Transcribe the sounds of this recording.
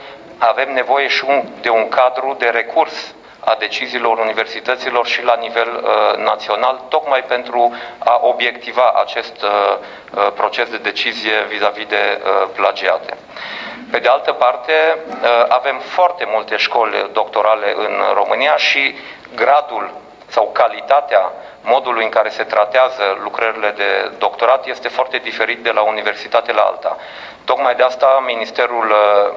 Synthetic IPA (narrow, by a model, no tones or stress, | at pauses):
ave̞mne̞vo̞je̞ʃiud̪e̞uŋkʰad̪ɾud̪e̞ɾe̞kʰurs | ad̪e̞t͡ʃiziːlo̞ɾunive̞rsit̪ət̪silo̞rʃilanive̞lnat̪sio̞nalt̪o̞kmajpe̞nt̪ɾuaʔo̞bje̞kt̪ivaʔa̰t͡ʃe̞st̪ | pɾo̞t͡ʃe̞sd̪e̞d̪e̞t͡ʃizije̞vizavid̪e̞əplad͡ʒia̰t̪e̞̰ | pe̞d̪e̞alt̪əpart̪e̞ave̞mfoart̪e̞mult̪e̞ʃko̞lʲd̪o̞kt̪o̞ɾale̞̰ʔɨ̰nro̞mɨnijaʃi | ɡɾad̪ul | sawkalit̪at̪ea | mo̞d̪ulujɨŋkaɾe̞se̞t̪ɾat̪eazəlukɾəɾile̞d̪e̞d̪o̞kt̪o̞ɾat̪je̞st̪e̞foart̪e̞d̪ife̞ɾit̪̚d̪e̞launive̞rsit̪at̪elaa̰lt̪a̰ | t̪o̞kmajd̪east̪aminist̪e̞ɾul